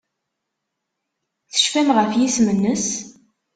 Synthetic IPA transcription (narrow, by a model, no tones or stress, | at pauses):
θə̥ʃfæmʁəfjismənːəs